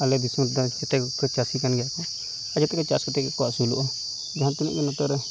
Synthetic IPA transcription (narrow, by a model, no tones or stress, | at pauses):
alɛb̪ismuɾd̪ɔd͡ʒɛt̪ɛkkɔt͡ʃasikanɡɛjakɔ | ad͡ʒɛt̪ɛkɔt͡ʃaskɔt̪ɛkɛkɔwaʔsulṵʔɔ | d͡ʒaɦant̪unḭʔɡɛnɔt̪ɔɾɛ